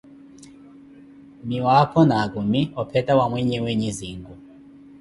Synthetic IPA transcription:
miwapʰɔnakumiɔpʰɛtʼawamwɛɲɛweɲiziːŋɡu

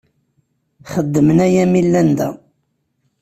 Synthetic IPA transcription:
χəd̪ːəmənæjæmilːænd̪æ̰

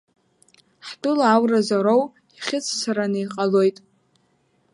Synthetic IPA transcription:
ħdʊlaawrazaɾow | iχʲɪt͡sʰsaɾanɨjqʼalo̞jtʼ

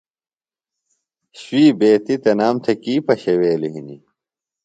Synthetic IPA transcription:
ɕwiːbeːt̪it̪ɐnaːmt̪ʰɐkiːpɐɕeweːluɦinḭ

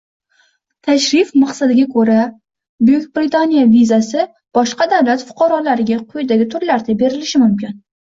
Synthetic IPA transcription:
t̪ʰaʃɾɪfmaqsad̪ɪɡʲakʰɵɾa | bʊjʊkʲbɾit̪ʰanijavizasɪ | b̥ɒʃqɑd̪avlat̪fʊ̥qʰɑɾɒlaɾɪɡʲaqʰojd̪aɡʲɪt̪ʰʊɾlaɾd̪abe̞ɾɪlɪʃɪmʊmkʲɪn

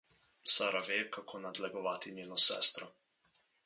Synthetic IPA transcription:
saːɾaʋeːkakʰoːnad̪lɛɡɔʋaːt̪iɲeːnɔsɛ̰ːst̪ɾɔ

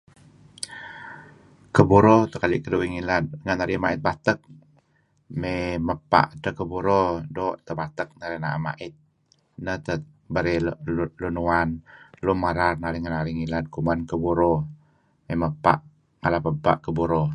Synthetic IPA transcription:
kəbuɾot̪əkalḭʔkəduwiŋilat̪ŋənaɾimaɪt̪̚bat̪ək̚ | meməpa̰ʔt̪əkəbuɾodoʔt̪əbat̪ək̚naɾinaʔa̰ma̰ʔɪt̪̚ | nəht̪ə | bəɾelunuanlumaɾarnaɾiŋanaɾiŋilat̪̚kumankəbuɾo | meməpa̰ʔ | ŋalapəpa̰ʔkəbuɾo

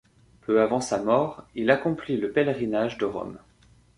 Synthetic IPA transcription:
pʰøavɑ̃samɔʁilakɔ̃pliləpɛlʁinaʒd̪əʁɔ̰m

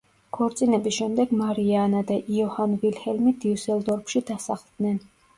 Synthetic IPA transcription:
kʰɔɾt̪sʼinɛbisʃɛmd̪ɛɡmaɾianad̪aʔiɔhanvilhɛlmid̪iusɛlˠd̪ɔɾpʰʃid̪asaχlˠd̪nɛn

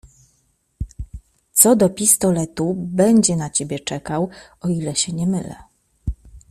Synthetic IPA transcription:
t̪sɔd̪ɔpʲist̪ɔlɛt̪ubɛɲd͡ʑɛnat͡ɕebʲjɛt͡ʂɛkawɔilɛɕɛɲɛmɘlɛ̰

